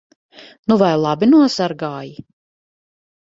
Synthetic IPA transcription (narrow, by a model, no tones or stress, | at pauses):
nuvajlˠabinuɔsaɾɡaːji